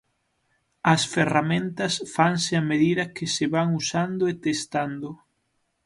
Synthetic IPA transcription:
ɐsferamẽnt̪ɐsfaŋsɪɐmeðiðɐkɪsɪβaŋusand̪ʊet̪est̪and̪ʊ

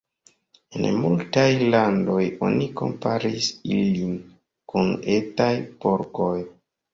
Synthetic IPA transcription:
ḛnmultajlando̞jo̞̰niko̞̰mpaɾisilin | kunetajpo̞ɾko̞j

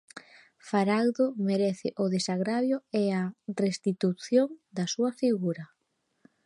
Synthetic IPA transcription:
faɾalðomeɾɛθɪʔʊðesaɣɾaβjoɛarest̪it̪uθjoŋd̪ɐsuɐfiɣuɾɐ

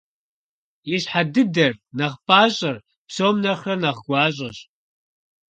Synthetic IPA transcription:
jɪɕħadɨdɐrnɐχpʼaːɕʼɐr | psoːmnɐχrɐnɐʁɡʷɑːɕ̬ʼɐɕ

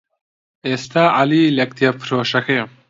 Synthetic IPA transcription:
est̪aːʔaliːlɐk̚t̪ijɐpʰɾoːʃɐxe

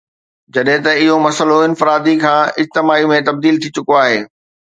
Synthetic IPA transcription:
d͡ʑɐɗɦɪ̃t̪ɐɪɦomɐsəloɪnfɪɾaːd̪ikʰãːɪd͡ʑt̪ɪmaːimẽt̪ɐb̚d̪iːlt̪ʰit͡ɕʊkoaːɦeː

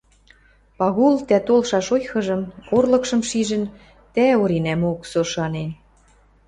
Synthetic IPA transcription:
pɑɣult̪æt̪olʃɑʃojxɤ̆ʒɤ̆morlɤ̆kʃɤ̆mʃiʒə̆n | t̪æoɾinæmoksoʃɑnen

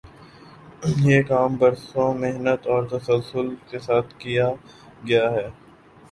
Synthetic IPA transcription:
jeːkaːmbɐɾsõmɪɦnət̪ɔːɾt̪ɐsəlsʊlkesaːt̪ʰkija | ɡɐjaɦɛː

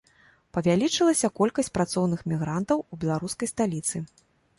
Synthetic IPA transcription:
pɐvʲalʲit͡ʂɨlˠɐsʲɐkɔlʲkɐsʲt͡sʲpɾat̪sɔwnɨxmʲiɣɾant̪ɐwubʲɛlˠaɾuskɐjst̪alʲit̪sɨ

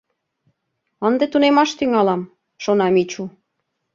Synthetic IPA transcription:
ənd̪et̪unemɑʃt̪yŋɑlɑm | ʃonɑmit͡ɕu

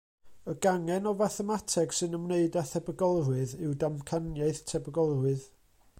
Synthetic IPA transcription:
əɡaŋɛnɔvaθɛmatʰɛɡ̥sɨnəmneɨdaθɛbəɡɔlˠrɨðɪwdamkʰanjaɨθtʰɛbəɡɔlˠrɨð

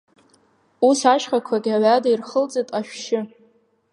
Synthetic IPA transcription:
usaʃχakʷʰaɡʲiaɥadairχəlt͡sʼetʼaʃᶣʃɪ

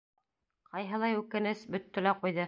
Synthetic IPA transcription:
qɑjɦɤ̆lˠɑjʉkɘ̆nɘsbɵ̆t̪ːɵ̆læqujðɤ

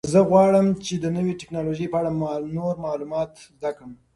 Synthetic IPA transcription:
zəɣwɑɽəmt͡ʃed̪ənəweʈɪknɑloʒəjpəaɽamnoɾmɑlumɑt̪zd̪akəm

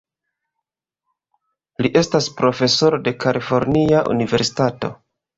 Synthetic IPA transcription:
liʔe̞staspɾo̞fe̞so̞ɾode̞kalʔifo̞ɾniaʔṵnive̞ɾsi̥tato̞̰

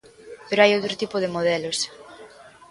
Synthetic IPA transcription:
peɾoajowt̪ɾʊt̪ipʊð̞emoð̞ɛlos

